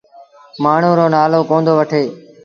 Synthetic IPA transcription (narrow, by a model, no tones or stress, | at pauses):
maːɳ̤ũːɾoːnaːloːkõːnd̪oːʋəʈʰeː